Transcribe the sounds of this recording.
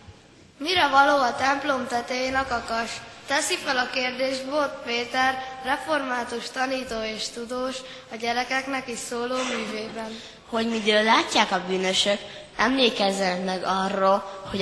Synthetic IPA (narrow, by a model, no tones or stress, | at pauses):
miɾɛvɒloːɒt̪ɛmplo̞mt̪ɛt̪ɛjenɒkɒkɒʃt̪ɛsifɛlɒkeːrd̪eːʒbot̪peːt̪ɛrːɛfo̞rmaːt̪uʃt̪ɒniːt̪oːeːʃt̪ud̪oːʃ | ɒɟɛɾɛkɛknɛkiʃsoːloːmyːveːbɛn | ho̞ɟmid̪øːlːaːcːaːkɒbyːnøʃøk | ɛmleːkɛzːɛnmɛɡɒrːolho